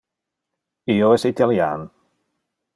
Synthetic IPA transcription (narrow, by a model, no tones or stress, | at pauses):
ioɛsit̪alja̰n